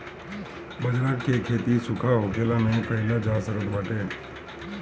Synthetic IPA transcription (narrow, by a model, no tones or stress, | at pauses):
bəd͡ʒɾaːtkekʰeːt̪isʊkʰaɦokʰeːlamẽpəɦɪlad͡ʒaːsəɾəd̪ʋaːʈeː